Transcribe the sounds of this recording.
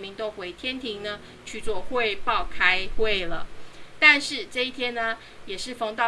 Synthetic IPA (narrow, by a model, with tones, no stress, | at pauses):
nmi˨˦ŋt̪o˦ʊxwe˧˥ɪt̪ʰjɛ˥nt̪ʰi˧˥ŋnə˦ | t͡ɕʰy˨˩t͡swɔ˥˧xwe˥˧ɪpɑ˥˨˩ʊkʰa˥ɪxwe˥˩ɪlə̰˩t̪a˥˧nʂɻ̩˥˩˨ʈ͡ʂɤ˥˧i˥˩t̪ʰjɛ˦nnə˨ | jɛ˨˩ʂɻ̩˥˩fɑ˧˥ŋt̪ɑ˥˨